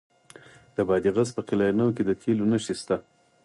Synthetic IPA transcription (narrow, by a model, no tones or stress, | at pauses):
d̪̥əbɑd̪iɣazpəqɪlɑjnawked̪ət̪ʰelonəʃist̪a